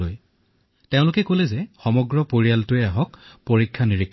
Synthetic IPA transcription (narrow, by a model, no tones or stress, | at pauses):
oj | teʊ̃lʊkɛkolɛzɛxɔmɔɡɹɔpoɹijaltʊɛaɦɔkpoɹikʰːaniɹikʰː